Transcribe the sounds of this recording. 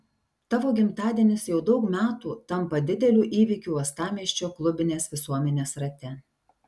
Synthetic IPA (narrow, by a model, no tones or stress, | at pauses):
t̪ɑːʋoːɡʲɪmt̪ɑːd̪ʲiɛnʲɪsjɛʊd̪ɒʊkmʲæːt̪uːt̪ɐmpɐd̪ʲɪd̪ʲɛlʲuːʔiːʋʲikʲuːɐst̪ɑːmʲiɛʃʲt͡ʃʲoːklˠʊbʲɪnʲeːsʋʲɪsuɔmʲɛnʲeːsɾɐt̪ʲɛ